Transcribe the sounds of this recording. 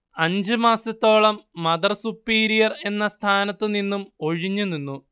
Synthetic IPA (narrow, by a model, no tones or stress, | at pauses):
ɐɲd͡ʑɨmaːsɐt̪ːo̞ːɭɐmːɐdðɐrsupːiːɾijɐre̞nːɐst̪ʰaːnɐt̪ːɨninːumo̞ɻiɲːuninːu